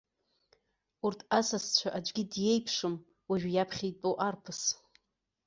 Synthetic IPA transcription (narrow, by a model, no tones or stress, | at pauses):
urtʰasast͡ɕʷʰaʔad͡ʒʷʼɡʲɪdje̞jpʰʂɨm | waʒᶣjapʰχʲitʼoʔarpʰɨs